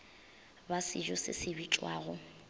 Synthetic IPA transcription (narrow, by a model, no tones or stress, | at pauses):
basɪd͡ʒɔsɪ̰sɪbit͡ʃʼwaːɣʊ